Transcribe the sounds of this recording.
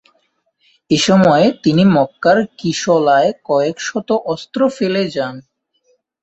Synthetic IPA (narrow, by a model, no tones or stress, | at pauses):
eʃɔmɔet̪inimɔkːaɾkiʃɔlaekɔekʃɔt̪oʔɔst̪ɾofeled͡ʑan